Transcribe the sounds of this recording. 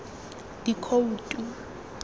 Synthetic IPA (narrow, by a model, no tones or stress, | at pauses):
d̥ikʰoutʼu